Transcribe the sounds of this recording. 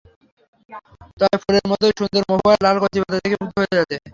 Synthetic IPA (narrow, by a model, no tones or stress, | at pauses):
t̪aefʰoɾeɾmɔt̪ojʃund̪oɾmoɦoalalkot̪ibat̪at̪ʰekebuk̪̚ɦoed͡ʑat̪e